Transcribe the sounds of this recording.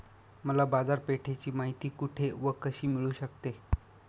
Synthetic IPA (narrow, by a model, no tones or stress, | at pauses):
məlabad͡zaɾpeʈʰet͡ɕiːmaɦit̪iːkuʈʰeʋəkəɕiːmiɭuːɕəkt̪e